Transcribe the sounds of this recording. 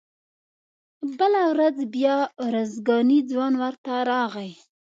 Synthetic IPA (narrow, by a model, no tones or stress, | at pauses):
bəlawɾad͡zbjɑɾozɡɑnid͡zwɑnwəɾt̪aɾɑɣaj